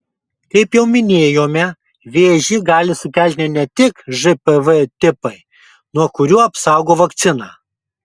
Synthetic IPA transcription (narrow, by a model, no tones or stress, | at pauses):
kɐɪpjɛʊmʲɪnʲeːjoːmʲɛ | ʋʲeːʒʲiːɡɑːlʲɪsʊkʲɛlʲt̪ʲnʲɛɪnʲɛt̪ʲɪkʒɨpɛʋɛt̪ʲɪpɐɪ | nuɔkʊɾʲuːɐpsɑˑʊɡoːʋɐkt̪sʲɪnɑː